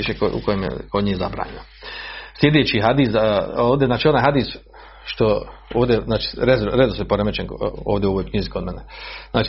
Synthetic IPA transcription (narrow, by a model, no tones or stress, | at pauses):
iʃekoṵkojemḛkoɲiːjeza̰bɾa̰ːɲeno | sljed̪eːt͡ʃiɦad̪iːsoːʋd̪ʲeznaːt͡ʃio̞naːjɦad̪iːs | ʃt̪ooːʋd̪ʲeznaːt͡ʃi̥ɾezɾed̪osojepoɾemet͡ʃenoːʋd̪ʲeoʋoːjkɲizikomeneznaːt͡ʃi